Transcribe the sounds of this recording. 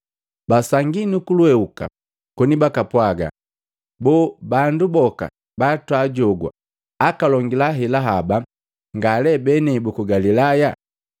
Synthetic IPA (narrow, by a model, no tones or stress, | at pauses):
basaŋɡinukulwɛuka̰ | kɔnibakapwaɡa̰ | bɔːbandubɔka̰ | batwaɟɔɡwa̰ː | kalɔŋɡilaɦɛlaɦaba | ŋɡalɛbɛnɛbukuɡalilaja